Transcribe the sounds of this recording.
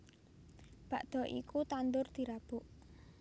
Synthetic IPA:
b̥a̤ʔd̪̥ɔ̤ʔḭkut̪and̪ʊrd̪̥i̤ɾab̥ʊʔ

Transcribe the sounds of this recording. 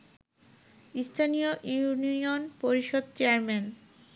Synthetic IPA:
ist̪ʰanioʔuuniionpoɾiʃod̪̚t͡ɕeaɾmen

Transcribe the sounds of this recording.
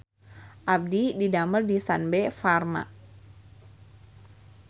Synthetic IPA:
ʔab̚dididaməldisanbefarma̰

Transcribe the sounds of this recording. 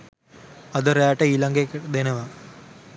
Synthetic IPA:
ɐd̪ɐɾaːʈɐilɐŋɡekd̪enɐʋa

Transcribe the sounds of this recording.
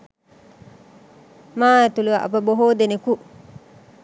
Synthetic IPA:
maːet̪uluʔa̰pɐboɦoːd̪eneku

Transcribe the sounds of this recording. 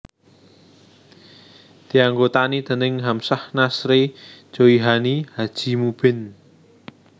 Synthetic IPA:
d̪̥i̤aŋɡot̪anid̪̥ə̤nɪŋɦamsahnasɾe̥d͡ʒ̥oiɦanihad̥ʒ̥i̤mub̥ɪ̤n

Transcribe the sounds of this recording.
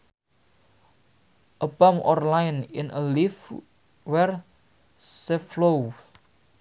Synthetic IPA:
ʔəb̥amʔɔ̰rlajnɪ̰nʔə̰lif | wɛr | seflow

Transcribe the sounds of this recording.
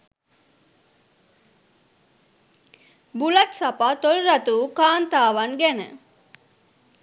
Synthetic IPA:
bulɐt̪sɐpaːt̪olɾɐt̪uːkaːnt̪aːʋɐŋɡænə̰

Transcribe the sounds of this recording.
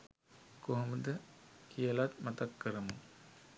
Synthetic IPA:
koɦɐmud̪əkʰijɐlat̪mat̪ɐkːəɾɐmu

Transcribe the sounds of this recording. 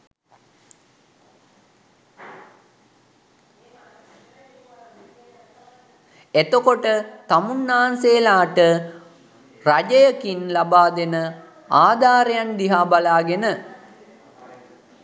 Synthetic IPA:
et̪okoʈət̪amunːaːanseːlaːʈə | rad͡ʒəjəkinlabaːd̪enə | aːd̪aːɾejand̪iɦaːbalaːɡenə

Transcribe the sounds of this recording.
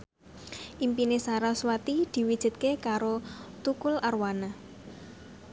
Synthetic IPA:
ʔimpinesaɾaswat̪id̪̥i̤wid̥ʒ̥ɪ̤t̪̚kekaɾot̪ukʊlarwana

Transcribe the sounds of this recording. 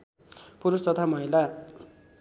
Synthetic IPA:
puɾust̪ʌt̪ʰamʌɦila

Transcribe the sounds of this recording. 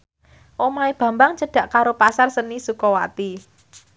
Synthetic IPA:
ʔomaeb̥ä̤mbaŋt͡ʃəɖ̥a̤ʔkaɾopasarsənisukɔwa̰t̪i

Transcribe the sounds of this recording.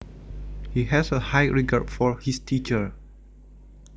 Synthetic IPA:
hiɦɛsəhajɹiɡaɹtfɔɹhistʰit͡ʃəɹ

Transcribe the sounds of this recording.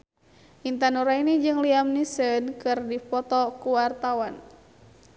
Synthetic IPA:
ʔint̪anuɾainid͡ʒɨŋliamnisənkɨrdifɔt̪ɔkuwart̪awan

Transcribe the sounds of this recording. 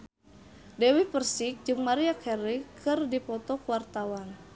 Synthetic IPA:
dɛwipərsik̚d͡ʒɨŋmaɾiakʰɛɾikʰɨrdipɔt̪ɔkuwart̪awan

